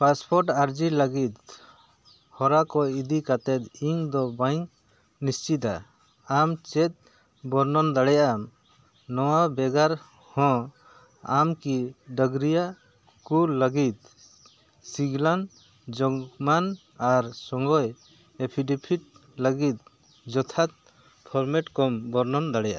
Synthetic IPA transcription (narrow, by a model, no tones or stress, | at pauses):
paspʰɔɾʈaɾd͡ʒiləɡit̪ | hɔɾakɔid̪ikat̪ɛt̪iŋd̪ɔbajŋ | nist͡ʃit̪a̰ː | mt͡ʃɛt̪̚ | bɔɾnɔnd̪aɽɛjaam | nɔwabɛɡaɾ | hɔ̃ | amkiɖəɡɾija | kuləɡit̪̚ | siɡlan | d͡ʒɔɡman | aɾsɔŋɡɔj | epʰiɖipʰiʈ̪̚ləɡit̪̚ | d͡ʒɔt̪ʰat̪̚ | pʰɔɾmɛʈkɔmbɔɾnɔnd̪aɽɛjaʔa